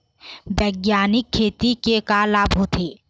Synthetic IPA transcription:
bɛːɡjaːnɪkʰːeːt̪ikekaːlaːbɦoːt̪ʰeː

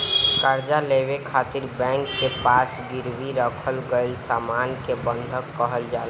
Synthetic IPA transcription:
kəɾd͡ʒalebekʰat̪iɾbɛ̃ŋkːepasɡiɾbiɾəkʰəlɡeɪlsamankebə̃nd̪ʱəkːəɦəld͡ʒal

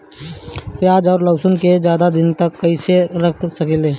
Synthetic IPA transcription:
pjaːd͡ʒɔːɾləwsʊnked͡ʒjaːd̪ad̪ɪnt̪ɐkːəiseɾɐkʰsəkeleː

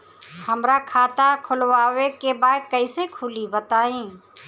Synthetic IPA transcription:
həmɾakʰaːt̪akʰʊlʋaːwekebaːkəisekʰʊlibət̪aːĩː

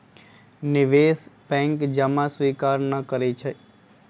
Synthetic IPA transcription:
nɪʋesbɛ̃ŋkd͡ʒəmãsʋikaɾnəkəɾet͡ʃʰe

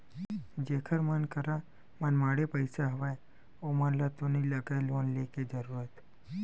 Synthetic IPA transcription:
d͡ʒeːkʰəɾmənkəɾa | mənmaːɽepəɪsaɦəʋaj | omənlat̪oniləɡajloːnleked͡ʒəɾuːɾət̪

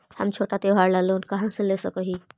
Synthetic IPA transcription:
həmt͡ʃʰoːʈat̪eɦaːɾlaloːnkəɦãsẽlesəkəɦi

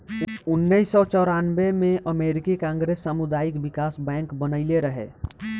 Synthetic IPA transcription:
ʊnːəisɔt͡ʃɔɾanʋemẽʔəmeɾikikãŋɡɾesːamud̪aːɪkbɪkaːsbɛ̃ːŋkbənəɪleɾəɦḛ

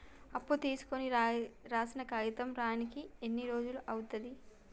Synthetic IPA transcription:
ɐpːut̪iːsu̥koniɾaːsinɐkɐjit̪ɐmɾaːjɐnikienːiɾo̞ːd͡ʒuluʔɐwut̪ɐd̪i

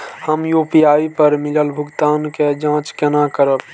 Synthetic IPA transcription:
həmjoːpijaːipəɾmɪləlbʱʊɡt̪aːnked͡ʒãːt͡ʃkenakəɾəb

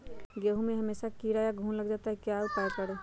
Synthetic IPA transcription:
ɡeːɦumẽɦɐmeːʃakiːɾajaɡʱuːnlɐɡd͡ʒaːt̪aɦɛkjaːʊpaːjkɐɽoː

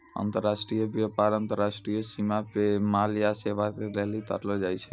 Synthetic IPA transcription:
ə̰nt̪əɾːasʈɾijəbjəpaɾənt̪əɾasʈɾijəsimapemaljaseʋakeleɦlit̪ə̰ɾlɔd͡ʒajt͡ʃʰɛ

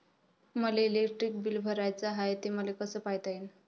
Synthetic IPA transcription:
məleːlekʈɾik̚bilbʱəɾajt͡saɦajt̪eməlekəsəːpaɦit̪ain

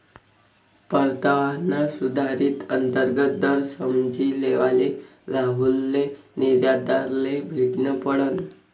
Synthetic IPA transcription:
pəɾt̪aʋanasud̪ʱaɾiːt̪ənt̪əɾɡət̪̚d̪əɾsəmd͡ʑiːleʋale | ɾaɦulːeniɾjad̪aɾlebʱiʈnəpəɽən

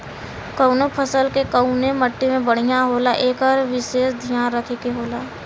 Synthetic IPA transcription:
kənopʰəsəlkekəʊneməʈːimẽbəɽ̤ijaɦoːlaʔeːkɔːɾʋɪʃeːsd̪ʱijaːnɾəkʰekeɦoːlaː

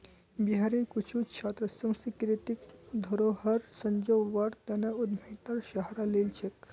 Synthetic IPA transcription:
biɦaɾiɾkut͡ʃʰut͡ʃʰaːt̪ɾəsə̃ŋsikɾit̪ikd̪ʱoɾoɦɐɾsə̃ɲd͡ʒoːɐɽt̪ɐnɐud̪mʱet̪ɐɾʃɐɦɾalelt͡ʃʰek

